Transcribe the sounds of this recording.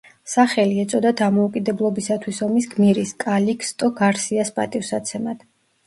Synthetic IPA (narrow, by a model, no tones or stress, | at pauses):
saχɛliɛt̪sʼɔd̪ad̪amɔukʼid̪ɛblˠɔbisat̪ʰwisɔmisɡmiɾiskʼalikʰst̪ʼɔɡaɾsiaspʼa̰t̪ʼifsat̪sʰɛmad̪̥